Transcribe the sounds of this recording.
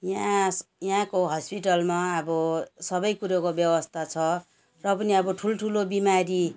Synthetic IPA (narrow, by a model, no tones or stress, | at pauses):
jãjɦãkoɦʌspiʈʌlmaʌbʌsʌbʌjkuɾokobjʌwʌst̪ʰat͡sʰʌ | rʌpʌniʌbʌʈʰulʈʰulobimaɾi